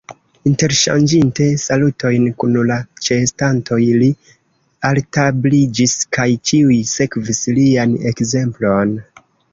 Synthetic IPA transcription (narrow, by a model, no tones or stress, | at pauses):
inte̞ɾʃa̰nd͡ʒinte̞salutʰo̞jnkunlat͡ʃe̞stanto̞jli | altablid͡ʒiskajt͡ʃiujse̞kvisliane̞̰kze̞mplo̞n